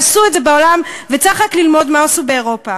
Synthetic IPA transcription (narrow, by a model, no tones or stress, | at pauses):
suetze̞baolamvet͡saχaklilmo̞dmaosubeːʁo̞pa